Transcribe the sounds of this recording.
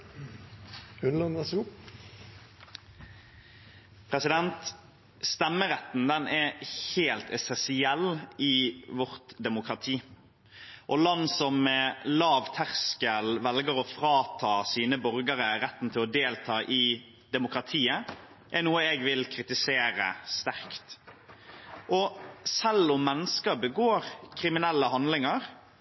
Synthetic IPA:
ʉnlənɛsʊ | pʰɾɛsɪd̪ɛnt̪ | st̪ɛmːəɾɛt̪n̩d̪ɛnɛheːlt̪ʰɛsɛnsɪɛlɪʋɔʁt̪d̪ɛmʊkɾɑt̪ʰiː | ʔɔlɑnːsɔmːɛlɑːʋt̪ʰæʁskəlʋɛlɡəɾɔfɾɑːt̪ʰɑːsiːnəbɔɾɡəɾəɾɛt̪ːn̩t̪ʰɪlɔd̪eːlt̪ʰɑːʔɪ | d̪̥ɛmʊkɾɑt̪ʰiːə | ʔɛɾnuːəɛɡʋɪlkʰɾɪt̪ɪseːɾə̰st̪æʁkt̪ | ʔɔsɛlːʊmːɛnːəskəbəɡoːɾkʰɾɪmɪnɛlːəhɑnd̪lɪŋəɾ

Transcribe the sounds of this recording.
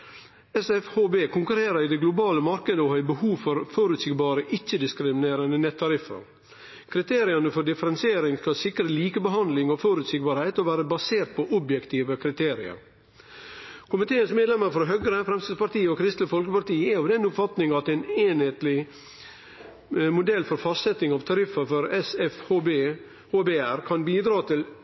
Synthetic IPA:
ɛsɛfhoːbeːkʰʊŋkʉɾeːɾəɾɪd̪ɛɡlʊbɑːləmɑɾkəd̪əɔhœʏbəhuːʋfɔɾfɔɾʉt̪sɪɡbɑːɾəʔɪt͡ʃːəd̪ɪskɾɪmɪneːɾənənɛt̪ʰːɑɾɪfːə̰ɾ | kʰɾɪt̪ʰeːɾɪɑnəfɔɖɪfəɾɛnsɪeːɾɪŋskɑsɪkɾəliːkəbəɦɑnd̪lɪŋɔfɔɾʉt̪sɪɡ̚bɑːɾhæɪt̪ɔʋæːɾəbɑseːɾt̪̚pʰɔʔʊbjɛkt̪ʰiːʋəkʰɾɪt̪ʰeːɾɪə̰ɾ | kʰʊmɪt̪ʰeːənsmeːd̪lɛməɾfɔɾɦœɡɾəfɾɛmst̪ɪd̪spɑɾt̪iːəɔkʰɾɪst̪ləfɔlkəpɑɾt̪iːəɛɔʋd̪ɛnːʊpfɑt̪nɪŋɑt̪ɛɪneːnheːt̪lɪ | mʊd̪ɛlːfɔɾfɑst̪sɛt̪ːɪŋɑʋt̪ʰɑɾɪfəfɔɾɛsɛfhoːbeː | hoːbeːæɾkʰɑnbiːd̪ɾɑːt̪ʰɪl

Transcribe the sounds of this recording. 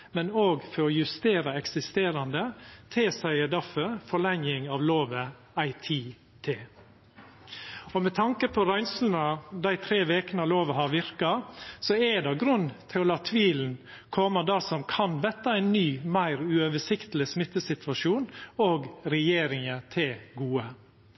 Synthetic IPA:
mɛnoːɡfɔɾɔjʉst̪eːɾɑɛksɪst̪eːɾɑnd̪ət̪ʰeːsæɪəd̪æfœɾfɔɭɛŋɪŋɑʋloːʋə | æɪt̪ʰiː | t̪ʰeː | ɔmɛt̪ʰɑŋkəpʰɔɾæɪnslnɑd̪æɪt̪ʰɾeːʋeːkənɑloːʋəɦɑɾʋɪɾkɑsɔɛɖ̪ɑɡɾʉnːt̪ʰɪlɑːt̪ʰːʋiːln̩ | kʰɔməd̪æɾsɔmkʰɑnʋɛt̪ːɑæɪnnːyːmæɪɾʉøːʋəʂɪkt̪lɪsmɪt̪ːəsɪt̪ʋɑʂuːnoːɡɾɛjeːɾɪŋət̪ʰɪlɡuːə

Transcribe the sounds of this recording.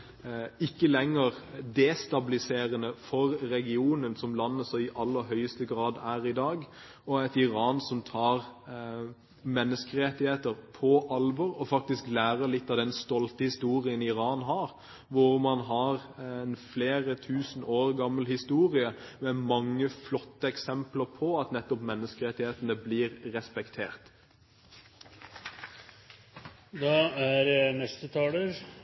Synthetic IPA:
ɪkːəlɛŋːəʁd̪ɛːst̪ɑbɪlɪseːɾənəfɔɾɾɛɡɪuːnənsɔmlɑnːəsɔɪʔɑlːəɾɦœʏəst̪əɡɾɑːd̪æːɾɪd̪ɑːɡ | ɔæɪt̪ɪɾɑːnsɔmt̪ʰɑːʁ | mɛnːəskəɾɛt̪ɪheːt̪əʁpʰɔʔɑlʋɔɾɔfɑk̚t̪ɪsklæːɾəɾlɪt̪ːɑʋd̪ɛnst̪ɔlt̪əhɪst̪uːɾɪənɪɾɑːnɦɑːɾ | ʋʊʁmɑnɦɑɾnfleːʁət̪ʰʉːsnoːɾɡɑmːəlhɪst̪uːʁɪəmɛmɑŋːəflɔt̪ːəɛksɛmpləɾpʰɔɑt̪nɛt̪ːɔpmɛnːəskəɾɛt̪ɪheːt̪ənəblɪːɾːɛspɛkt̪ʰeːʁt̪ | d̪ɑːæɾnɛst̪ət̪ʰɑːləɾ

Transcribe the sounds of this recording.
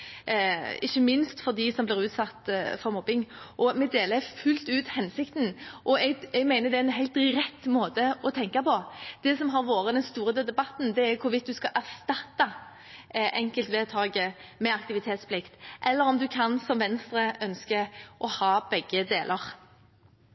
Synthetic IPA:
ɪçːəmɪnst̪fɔd̪ɪsɔmblɪɾʉːt̪sɑt̪ːfɔɾmɔbɪŋʔɔmɛd̪eːləfʉlt̪ʉːt̪hɛnsɪkt̪ənʔɔɛɡɛɡmæɪnəd̪ɛæɪnɦæɪlt̪ɾɛt̪ːmoːt̪əɔt̪ʰɛŋkɑpɔd̪̥ɛsɔmɦɑɾʋoːɾəd̪ɛnst̪uːɾəd̪ɛd̪ɛbɑt̪n̩d̪ɛæɾkʰʊɾʋɪt̪̚d̪ʉskɑʔæʁst̪ɑt̪ːɑ | ʔɛŋkəlt̪ʋɛːt̪ʰɑːɡəmɛɑk̚t̪ɪʋɪt̪ʰeːt̪spʰlɪkt̪ʔɛlːəɾɔmd̪ʉkʰɑnsɔmʋɛnst̪ɾəœnskəʔɔhɑːb̥ɛɡːəd̪eːlʔəʁ

